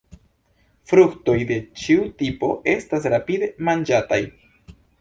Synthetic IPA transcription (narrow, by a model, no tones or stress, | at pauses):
fɾukto̞jde̞t͡ʃiutipo̞ʔe̞stas̬ɾapide̞mand͡ʒataj